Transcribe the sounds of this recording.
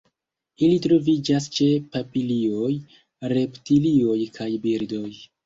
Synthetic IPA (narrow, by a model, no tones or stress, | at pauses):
ilitɾo̞vid͡ʒast͡ʃe̞papilio̞j | ɾe̞ptilio̞jkʰajbiɾdo̞j